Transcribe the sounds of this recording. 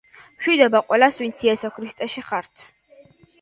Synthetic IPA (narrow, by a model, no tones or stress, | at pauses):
mʃwid̪ɔbaqʼwɛlaswint̪sʰiɛsɔkʰɾist̪ʼɛʃiχaɾt̪ʰ